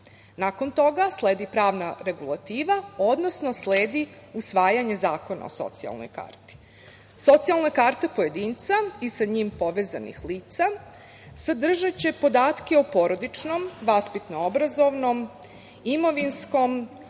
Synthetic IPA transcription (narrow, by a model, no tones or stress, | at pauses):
nako̞nt̪o̞ɡaslˠeːd̪ipɾaːʋnaɾe̞ɡulˠat̪iːʋao̞d̪no̞sno̞sleːd̪iusʋaːjaɲe̞zaːko̞na̰o̰so̰t̪sia̰lˠno̰jka̰ːrt̪i̥ | so̞t̪sialˠnakaːɾt̪epo̞je̞d̪iːnt̪saisaɲimpo̞ʋeːza̰nḭxliːt̪sa | sad̪r̩ʒat͡ɕe̞po̞d̪aːt̪keopo̞ɾo̞d̪it͡ʃno̞mʋaspit̪noobɾazo̞ʋno̞m | imo̞ʋinsko̞m